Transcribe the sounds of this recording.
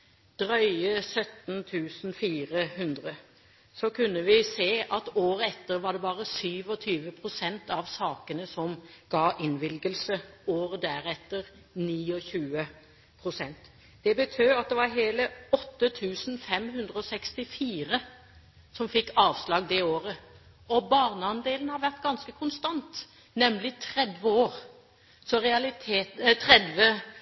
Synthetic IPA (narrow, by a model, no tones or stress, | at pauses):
d̪̥ɾœʏəsœt̪nt̪ʰʉːsn̩fiːɾəhʉnd̪ʁə | sɔkʰʉnːəʋɪseːʔɑt̪oːɾəɛt̪ːəɾʋɑɖɛbɑːʁəsyːʋɔt̪ʰyːʋəpʰɾʊsɛnt̪ɑʋsɑːkənəsɔmɡ̥ɑːʔɪnʋɪlɡəlsəoːɾd̪æɾɛt̪ːəɾ | niːɔçʉːə | pʰɾʊsɛnt̪ | d̪̥ɛbət̪ʰøːɑt̪̚d̪ɛʋɑɾɦeːləɔt̪ːət̪ʰʉːsn̩fɛmɦʉnd̪ʁəɔsɛkst̪ɪfiːʁə | sɔmfɪkːɑːʋslɑːɡ̚d̪ɛoːɾə | ɔbɑːʁnəɑnd̪eːln̩hɑɾʋæʁt̪ɡɑnskəkʰʊnst̪ɑnt̪ | nɛmlɪt̪ʰɾɛd̪ʋəoːʁ | sɔɾɛɑlɪt̪ʰeːt̪t̪ʰʁɛd̪ʋə